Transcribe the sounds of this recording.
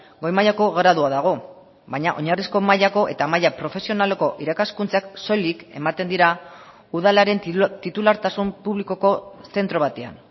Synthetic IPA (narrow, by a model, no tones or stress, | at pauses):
ɡo̞jmajako̞ɣɾaðuaðaɣ̞o̞ | bajɲaʔo̞ɲarisko̞majako̞ʔe̞t̪amajapɾo̞fe̞sio̞nale̞ko̞ʔiɾakaskunt͡sakso̞like̞̰mat̪e̞nd̪iɾa | uðalaɾe̞nt̪it̪ulaɾt̪asumpuβliko̞ko̞se̞nt̪ɾo̞β̞at̪e̞a̰n